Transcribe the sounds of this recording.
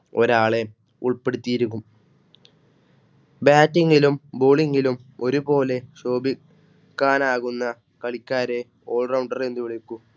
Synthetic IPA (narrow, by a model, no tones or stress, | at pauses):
o̞ɾaːɭe̞ | uɭpe̞ɽut̪ːijiɾukːum | baːtːiŋɡilumbo̞ːɭiŋɡilumo̞ɾubo̞ːle̞ɕo̞ːbi | kːaːnaːɣunːɐ | kɐɭikʲːaːɾe̞ | o̞ːɭrɐwɳɖɐrend̪uʋiɭikːu